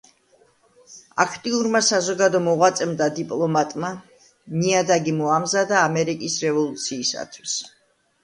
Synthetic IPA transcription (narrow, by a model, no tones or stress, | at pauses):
a̰kʰt̪ʼiuɾmasazɔɡad̪ɔmɔʁwat̪sʼɛmd̪ad̪ipʼlˠɔmat̪ʼma | miad̪aɡimɔamzad̪aːmɛɾikʼisɾɛvɔlˠut̪sʰiːsa̰t̪ʰwis